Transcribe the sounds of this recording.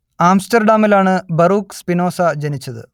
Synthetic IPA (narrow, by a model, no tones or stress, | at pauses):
aːmsʈɐrɖaːmilaːɳɨbɐruːkspino̞ːsɐd͡ʑɐnit͡ɕːɐðɨ̰